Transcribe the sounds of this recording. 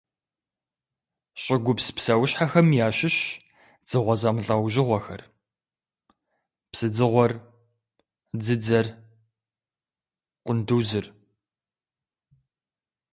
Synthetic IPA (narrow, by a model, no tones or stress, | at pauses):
ɕʼɪɡʷʊpspsɐwɕħaxɐmjaːɕɪɕ | d͡zɨʁʷɔzɐmɬʼɐwʑɪʁʷɔxɐ̰r | psɨd͡zɨʁʷɔr | d͡zɨd͡zɐr | qʷʊnduwzɨr